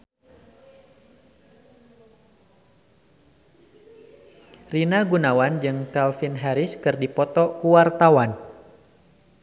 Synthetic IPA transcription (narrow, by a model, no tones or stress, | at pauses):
rinaɡunawand͡ʒɨŋkalfinɦɛɾɪskɨrdipɔt̪ɔkuwart̪awan